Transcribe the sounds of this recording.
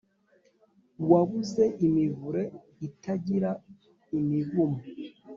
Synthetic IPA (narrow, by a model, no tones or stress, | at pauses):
waβuze̞ʔimivuɾe | itaɟiɾa | imivumo